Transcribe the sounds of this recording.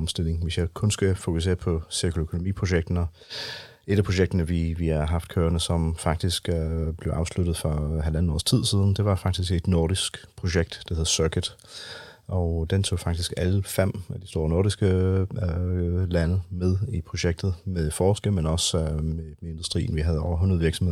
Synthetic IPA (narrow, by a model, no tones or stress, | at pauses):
ɒ̽msd̥e̝l̰e̝ŋʋe̝sjɑ̈ɪkʰɔ̽nsɡ̥ufokʰus̬e̝̰ːɐpʰɒ̽siɐkʰoøkʰo̝nomḭːpʰʁo̝ɕeɡ̥̚d̥ɐnɒ | e̝ɾ̥æpʰʁo̝ɕ̬eɡ̥̚d̥ɐnəʋiʋihɑ̈ɦɑ̈fd̥kʰøːɐnəsɒ̽mfɑ̈ɡ̥̚d̥isɡ̥b̥le̝ʊʔɑ̈ʊslud̥ð̞̩ˠfɒɦælænn̩ɒ̰ːst͡sʰið̞̰ˠsiːð̞ˠn̩d̥e̝ʋɑ̈fɑ̈ɡ̥̚d̥isɡ̥e̝d̥nɔːɾ̥isɡ̥pʰʁo̝ɕeɡ̥̚d̥d̥eheðˠsœɐkʰəd̥ | ʔɒʊd̥ent͡sʰo̝̰ːfɑ̈ɡ̥d̥isɡ̥æləfem̰æd̥isd̥o̝ːɐnoːɾ̥isɡ̥ə | lænəmeð̞ˠipʰʁo̝ɕeɡ̥̚d̥ð̞̩ˠmeðˠfɒːsɡ̥əmenɒ̽smemee̝nd̥usd̥ʁḭːn̩ʋiɦæð̞ˠɒʊ̰ɐɦunɐðˠʋiɐɡ̥sɒme̝ðˠ